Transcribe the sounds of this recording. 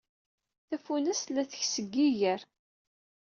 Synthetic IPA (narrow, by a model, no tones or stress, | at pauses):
θæfunæslːæθə̥çsəɡːiʝəɾ